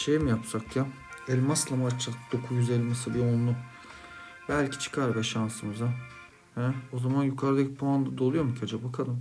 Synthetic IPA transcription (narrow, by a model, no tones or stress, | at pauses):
ʃejmijapsakja | ɛlʲmaslˠamat͡ʃːakd̪̥o̞kʰujyzelʲːimasabionlˠu | bælʲcʰi̥t͡ʃʰɯ̥kʰaɾvɛʃansɯmɯza | hɛo̞zamanjukʰaɾɯd̪acʰi̥pʰoand̪ad̪o̞lˠujo̞ɾmucʰad͡ʒabakʰalˠɯm